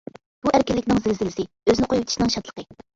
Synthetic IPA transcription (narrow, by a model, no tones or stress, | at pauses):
b̥uæɾkʲɪlːɪkʲnɪŋzɪlzɪlɪsɪ | øzɪnɪqʰojuwt̪ʰɪ̥ʃinɨŋʃɑt̪lˠə̥qə